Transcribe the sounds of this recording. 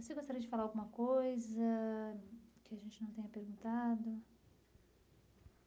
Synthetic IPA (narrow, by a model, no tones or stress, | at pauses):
voseɡost̪aɾiɐd͡ʒɪfalaɾawɡũmɐkojzɐ | kɪaʒẽnt͡ʃɪnɐ̃w̃t̪ẽɲ̃ɐpeɾɡũnt̪ad̪ʊ